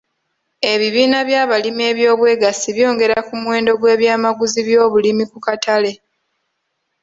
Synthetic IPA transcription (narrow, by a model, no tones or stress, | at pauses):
e̞βiβiːnaβjaːβalimie̞ːβjo̞ːβwe̞ːɡasiβjo̞ːŋɡe̞ɾakumuwe̞ːndo̞ɡwe̞ːβjaːmaɡuziβjo̞ːβulimikukatale̞